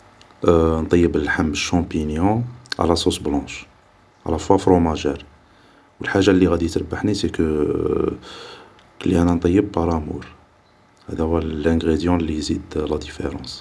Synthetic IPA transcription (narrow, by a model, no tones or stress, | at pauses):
nt̪ˤɑjːəbəlħamːəʃːɑ̃pinjɔ̃a̰lasusblɑ̃ʃ | ʕa̰læfwafɾomæʒæɾ | wəlħaʒːalːiɣæd̪it̪ɾəbːaħnisekə | kəlːiʔænænt̪ˤɑjːəb̚pɑɾˤæmṵɾ | hæ̰d̪æhuwælæ̃ɡʁed̪jɑ̃lːizid̪læd̪ifḛɾɑ̰̃s